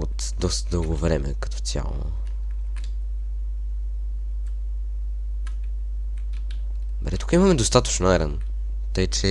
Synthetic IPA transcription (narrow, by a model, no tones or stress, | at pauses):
ot̪ | d̪ɔst̪əd̪ɤlˠɡovɾɛmɛ̰kɐ̥t̪ɔ̥sʲja̰lˠo̰ | bɛd̪ɛt̪u̥kimɐmɛd̪ost̪at̪ə̥t͡ʃnɛɾɛn | t̪əjt͡ʃɛ